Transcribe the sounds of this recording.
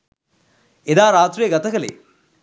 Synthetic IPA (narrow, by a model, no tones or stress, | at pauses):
ed̪aːɾaːt̪ɾijəɡɐt̪ɐkɐlḛː